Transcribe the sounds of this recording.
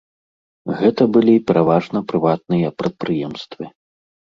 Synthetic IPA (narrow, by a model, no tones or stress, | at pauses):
ɣɛt̪ɐbɨlʲipʲɛɾʔavaʐnɐpɾɨvat̪̚nɨjɐpɾɐt̪̚pɾɨjɛmst̪vɨ